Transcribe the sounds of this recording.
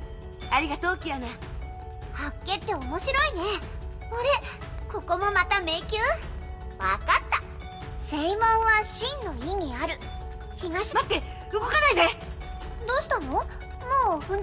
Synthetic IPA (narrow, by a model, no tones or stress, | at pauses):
aɾʲiɡat̪oːkʲijone | hakːe̞t̪ːe̞o̞mo̞ɕiɾo̞ine | oɾe̞ko̞ko̞mo̞mat̪ame̞kʲɯː | βa̰kat̪ːa | seimõɰ̃βaɕĩnːo̞iɲ̟iaɾɯ̟ | çiɡaɕimat̪ːe | kɯkokanaid̪e | d̪oːɕi̥t̪ano̞ | moːɸɯ̟̃ɲ